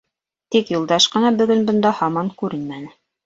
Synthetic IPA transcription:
t̪ikjulˠd̪ɑʃqɤ̆nɑbɵ̆ɡɵnbŏnd̪ɑhɑmɑŋkʉɾɘ̆nmænɘ

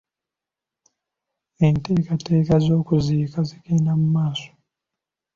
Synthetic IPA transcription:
ente̞ːkate̞ːkazo̞ːkuzikaziɡeːndamumaːso̥

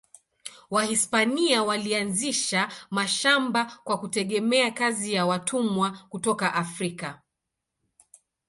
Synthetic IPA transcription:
wahispaniawalianziʃamaʃambakwakutɛɠɛmɛakazijawatʰumwakutɔkaʔafɾika

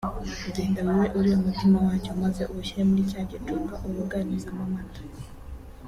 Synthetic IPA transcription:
udiːndaβaweʔuɾiomutimawaːcomaze̞ʔouʃiɾemuɾicaːɟetukaʔoβuɡanizamamatḁ

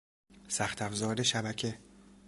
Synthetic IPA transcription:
sæxt̪ʰæfzɒːɾeʃæbæcʰe

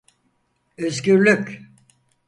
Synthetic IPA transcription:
øzɟyɾlʲycʲ

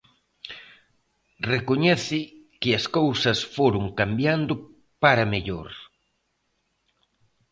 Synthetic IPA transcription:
rekoɲɛθɪ | kɪɐskowsɐsfoɾʊŋkambjand̪ʊ | paɾɐmeʎoɾ

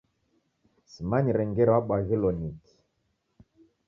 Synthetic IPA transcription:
simaɲiɾɛŋɡɛɾwaɓaɣilɔniki̥

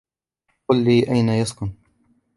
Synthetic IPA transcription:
qʊlːiːʔajnajaskʊn

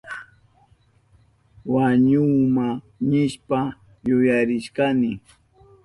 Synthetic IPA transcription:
waɲʊma | nɪʃpa | jʊjaɾɪʃkanɪ

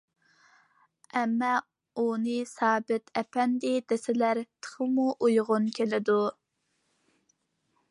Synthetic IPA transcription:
ɛmːɑ | unɨsɑːbɪt̪ʰɛpʰɛnd̪ɪd̪̥esɪlæɾt̪ʰə̥χəmuʔujʁʊnkʲʰelɪd̪u

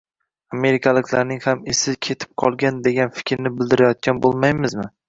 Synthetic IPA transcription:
ame̞ɾɪkʲʰalɪkʲlaɾnɪŋhamesɪkʲʰe̞t̪ʰɪ̥p̚qʰɒlˠɡʲand̪e̞ɡʲanfɪ̥kʲʰɾnɪbɪld̪ɪɾajɒt̪̚kʲanbolˠmajmɪzmɪ

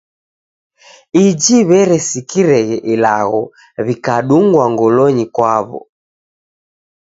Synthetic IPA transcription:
id͡ʒiβɛɾɛsikiɾɛɣɛʔilaɣɔ | βikaɗuŋɡwaŋɡɔlɔɲikwaβɔ̰

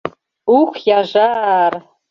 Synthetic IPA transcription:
ukʷʰjaʐar

